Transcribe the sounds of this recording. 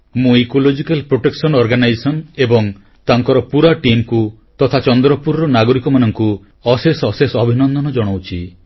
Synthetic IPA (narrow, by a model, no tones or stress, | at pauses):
mũekolod͡ʒikalpɾoʈeksɔnɔɾɡanajsɔnebɔŋ | t̪aŋkɔɾɔpuɾaʈimku | t̪ɔt̪ʰat͡ʃɔnd̪ɾɔpuɾɔɾɔnaɡɔɾikɔmanɔŋku | ɔsesɔsesɔbʱinɔnd̪ɔnɔd͡ʒɔɽ̃owt͡ʃʰḭ